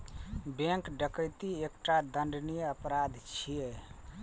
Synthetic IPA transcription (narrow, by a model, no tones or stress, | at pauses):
bẽŋkɖəkəjt̪iekʈad̪əɳɖnijəpɾad̪ʱt͡ʃʰije